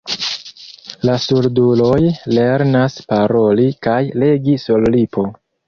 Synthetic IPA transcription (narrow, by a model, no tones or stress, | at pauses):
lasuɾdulojle̞ɾnaspaɾo̞likajle̞ɡisollipʰo̞